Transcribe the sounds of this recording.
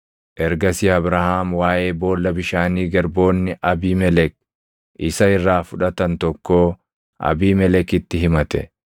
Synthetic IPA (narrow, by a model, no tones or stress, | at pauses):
ʔɛɾɡɐsiːɐbɾɐhaːmwaːʔe̞ːbo̞ːlːɐbɪʃaːniːɡɐɾbo̞ːnːɪʔɐbiːmɛlɛk̚ | ʔɪsɐɪrːaːfʊᶑɐt̪ɐnt̪ɔkːoː | ʔɐ̰biːmɛlɛkɪt̪ːɪɦɪmɐt̪ɛ̰